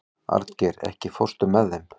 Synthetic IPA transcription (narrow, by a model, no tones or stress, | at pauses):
a̰ɾt̪cɛɾɛ̰hcɪfor̥st̪ʏmːɛðejm